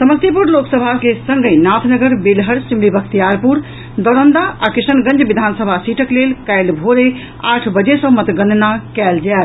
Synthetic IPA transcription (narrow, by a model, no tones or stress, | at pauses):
səməst̪jipuɾloksəbʱakesə̃ŋɡenat̪ʰnəɡəɾbelɦəɾsimlibəkʰt̪ijaɾpuɾ | d̪əɾənd̪aakɾisənɡə̃nd͡ʒbid̪ʱansəbʱasiʈʰəklelkajlbʱoɾe | aʈʰbəd͡ʒesə̃mət̪ɡəndnakɛld͡ʒɛl